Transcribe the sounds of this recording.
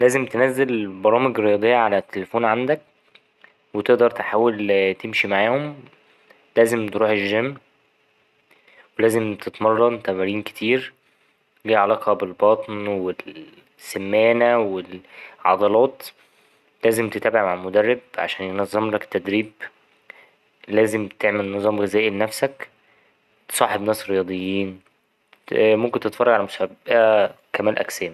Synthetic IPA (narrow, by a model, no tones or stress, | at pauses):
læːzemt̪enæzːelbɑɾˤɑːmeɡɾejɑd̪ˤejːɑʕalæt̪ːelefoːnʕand̪æk̚ | wet̪eʔd̪ɑɾˤt̪eħaːwːelt̪emʃimaʕaːhom | læːzemt̪ɾuːħeʒːæmː | welæːzemt̪et̪mɑrˤːɑnt̪æmæɾiːnke̥t̪ʰiːɾ | liːʕalɑːqʰɑbelbɑt̪ˤnwel | sːemːæːnæwelʕɑ̰d̪ˤɑlɑːt̪ˤ | læːzemt̪et̪æːbeʕmaʕalmod̪ærːeb̚ʕa̰ʃæːnjenɑzˤːɑmlækt̪ːæd̪ɾiːb | læːzemt̪eʕmelnɨzˤɑːmɣezæːʔilenæfsæk | t̪e̥sˤɑːħebnæːsɾejɑːd̪ˤejːiːn | momkent̪et̪fɑɾˤrˤɑɡʕalæmosbæʔæ | kæmæːlʔæ̰ksæːn